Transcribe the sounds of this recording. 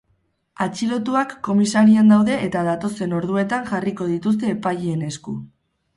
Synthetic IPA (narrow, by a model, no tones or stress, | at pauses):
at͡ʃilo̞t̪uakːo̞misaɾiand̪awðe̞ʔet̪aðat̪o̞se̞no̞ɾðue̞t̪aŋʝariko̞ð̞it̪us̬t̪e̞ːpaʎiene̞sku